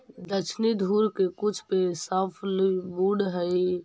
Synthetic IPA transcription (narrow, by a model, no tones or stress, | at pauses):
d̪ət͡ʃʰnid̪ʱuɾkekut͡ʃʰpesapʰlbuɽɦəj